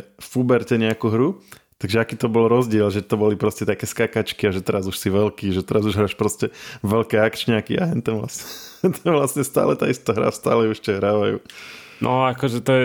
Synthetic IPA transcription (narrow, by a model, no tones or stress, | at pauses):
fubɛɾcɛɲɛakuɦɾu | t̪aɡʒɛakiːt̪ɔbɔlɾɔzɟɪɛlʒɛt̪ɔbɔlipɾɔscɛt̪akɛːskakat͡ʃkiaʒɛt̪ɛɾazuʃsiʋɛlkiːʒɛt̪ɛɾazuʒɦɾaːʃpɾɔscɛʋɛlkɛːakt͡ʃɲɛakḭa̰ɦɛnt̪ɛmʋla̰sɲɛt̪ɛmʋlasɲɛst̪a̰ːlɛt̪a̰ːist̪aɦɾa̰st̪a̰ːlɛjuɛʃcɛɦɾaːʋajṵː | nʔɔakɔʒɛt̪ɔɛ